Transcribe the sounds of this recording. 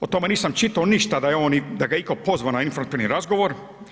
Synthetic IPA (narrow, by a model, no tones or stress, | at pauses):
ot̪omeniːsamt͡ʃit̪aoniʃt̪ad̪ajeoːnid̪aɡaikopo̞zʋanainfoɾmat̪iɾniɾazɡo̞ʋoɾ